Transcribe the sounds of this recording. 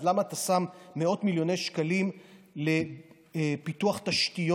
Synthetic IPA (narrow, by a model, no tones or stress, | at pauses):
lamaːt̪asamːeo̞tmiljo̞nejʃkalimle̞ | pituaχt̪aʃtijo